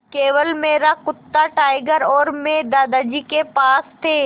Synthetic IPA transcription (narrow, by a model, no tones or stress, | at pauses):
keːʋəlmeːɾakʊt̪ːaʈaːɪɡəɾɔːɾmẽd̪aːd̪ad͡ʒikepaːst̪ʰeː